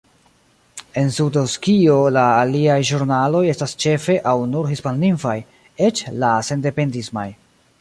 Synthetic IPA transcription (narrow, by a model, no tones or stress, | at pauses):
e̞nsudoskio̞laːliajʒuɾnalo̞je̞stast͡ʃe̞fe̞ʔawnuɾɦispanːinfaj | e̞t͡ʃlase̞nde̞pe̞ndisma̰j